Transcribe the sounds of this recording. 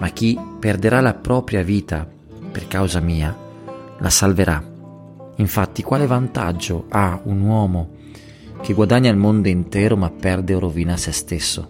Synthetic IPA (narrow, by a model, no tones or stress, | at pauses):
mak̟ːipːerd̪eɾalapɾɔːpɾjaviːt̪a | perkawzamiːa | lʔa̰salveɾʔa | iɱfat̪ːikwaːlevant̪a̰d͡ʒːoʔaunwɔːmo | k̟eɡwad̪aɲːailmond̪oint̪ɛːɾomapːɛrd̪eoɾoviːnasest̪esːo̰